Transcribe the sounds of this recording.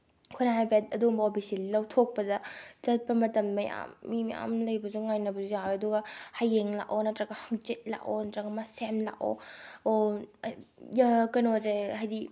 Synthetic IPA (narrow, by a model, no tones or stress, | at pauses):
kʰunaɦajbet̚ɐduumbɐopʰisilɐwtʰok̚pɐdɐzɐt̚pɐmɐtɐmːɐja̰mːimɐja̰mlɐjbɐzuŋajnɐbɐzujawɐduɡɐhajːeŋla̰konɐtɾɐɡɐhɐŋt͡ʃet̚la̰konɐtɾɐɡɐmasemla̰ko̰o | jɐkɐnozehajdi